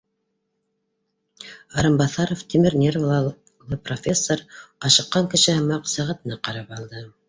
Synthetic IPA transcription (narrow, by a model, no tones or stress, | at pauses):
ɑɾɤmbɑθɑɾoft̪ʲimɘɾnʲervlˠ | lˠɤprofʲesːoɾɑʃɤ̆qːɑŋkɘ̆ʃɘhɤmɑqsæʁæt̪ɤ̆nɑqɑɾɑpɑlˠd̪ɤ